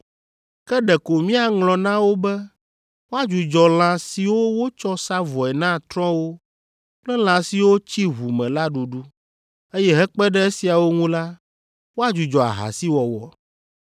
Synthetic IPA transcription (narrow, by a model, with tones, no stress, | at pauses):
kɛ˦ɖɛ˨ko˨mĩ˦a˨ŋlɔ̃˨nã˦wo˦bɛ˦ | wo˦a˦d͡ʒu˨d͡ʒɔ˨l̃ã˨si˨wo˦wo˦t͡ʃɔ˦sa˦vɔ˨ɛ˨nã˦t̪ɾɔ̃˦wo˦ | k͡plɛ˦l̃ã˨si˨wo˦t͡ɕi˦ɦu˨mɛ̃˨la˦ɖu˨ɖu˦ | e˦jɛ˦ɦɛ˦k͡pɛ˦ɖɛ˦e˦si˨a˨wo˦ŋũ˦la˦ | wo˦a˦˨d͡ʒu˨d͡ʒɔ˨a̰˨ɦa̰˨si˦wɔ˨wɔ̰˨